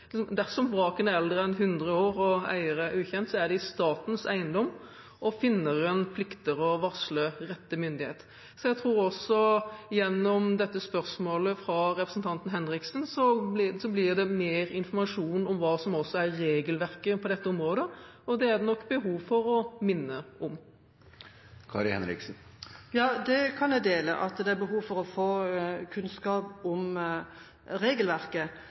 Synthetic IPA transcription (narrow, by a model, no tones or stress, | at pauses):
d̪æʁsɔmbɾɑːkənəɛld̪ɾəɛnɦʉnd̪ʁəoːɾɔæ̰ɪəɾəʉːçɛnt̪sɔæd̪ɛɪst̪ɑːt̪n̩sæɪənd̪ɔm | ɔfɪnːəɾɛnpʰlɪkt̪əɾɔʋɑʁsləɾɛt̪ːəmʏnd̪ɪheːt̪ | sɔjæt̪ʰɾuːɾɔsɔjɛnːɔmd̪ɛt̪ːəspœɾsmoːləfɾɑɾɛpɾəsnt̪ʰɑnt̪n̩ɦɛnɾɪksn̩sɔb̪ɪsɔblɪd̪ɛmeːɾɪnfɔʁmɑʂuːnɔmʋɑːsɔmɔsːɔæːeːɡəlʋæʁkəpʰɔd̪ɛt̪ːəʊmɾoːd̪ə | ɔd̪ɛæʁd̪ɛnɔkːbəɦuːʋfɔɾɔmɪnːəɔm | kʰɑ̰ɾɪhɛ̰nɾɪ̰ksn̩ | jɑːd̪ɛkʰɑnjɛɪd̪eːlə̰ʔɑt̪d̪ɛæɾbəɦuːʋfɔɾɔfoːkʰʉnskɑːpɔm | ɾeːɡəlʋæɾkə